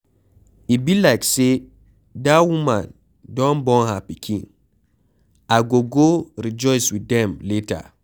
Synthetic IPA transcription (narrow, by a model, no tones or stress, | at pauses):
ibilaɪkse | dawumã̰n | dɔ̃nbɔ̃nhapikʰḭ̃n | aɡoɡoɾid͡ʒɔɪswidɛ̃mleta̰